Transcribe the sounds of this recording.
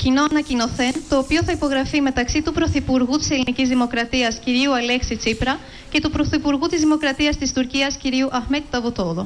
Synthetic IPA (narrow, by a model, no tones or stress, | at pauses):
cino̞ɐnɐcino̞θe̞nt̪o̞ːpio̞θɐipo̞ɣɾɐfime̞t̪ɐksit̪upɾo̞θipuɾɣut̪i̥se̞linicizðimo̞kɾɐt̪iɐsciɾiuɐle̞ksit͡sipɾɐ | ce̞t̪upɾo̞θipuɾɣut̪izðimo̞kɾɐt̪iɐst̪ist̪uɾciɐsciɾiuʔɐxmet̪̚t̪ɐvot̪o̞ðo